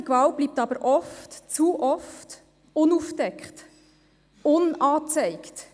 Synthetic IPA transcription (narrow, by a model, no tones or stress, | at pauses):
ikvɑlt̚b̥liːp̚t̪ɑb̥əɾʔɔftt͡suʔɔft | ʊnufdɛkχt | ʊnɑːt͡sɛɪkt